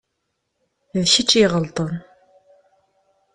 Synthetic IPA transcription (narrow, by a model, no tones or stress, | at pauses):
ðʃɪt͡ʃʼiːʁəlt̪ʼən